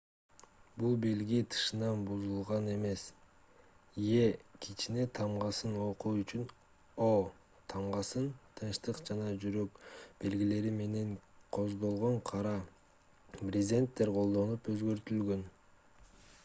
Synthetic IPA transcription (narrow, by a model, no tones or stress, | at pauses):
bulˠbe̞lɡit̪ʰɯ̥ʃɯnɑnbuzulˠʁɑne̞me̞s | je̞kʰit͡ʃine̞t̪ʰɑmʁɑsɯno̞quyt͡ʃyn | o | t̪ʰɑmʁɑsɯnt̪ʰɯnʃt̪ɯqd͡ʒɑnɑd͡ʒyɾøk̚b̥e̞lɡile̞ɾime̞ne̞ɴqʰo̞zd̪o̞lˠʁo̞ɴqʰɑɾɑ | prʲɪzʲe̞nt̪ːe̞ɾqʰolˠd̪o̞nupø̞zɡø̞ɾt̪ylɡø̞n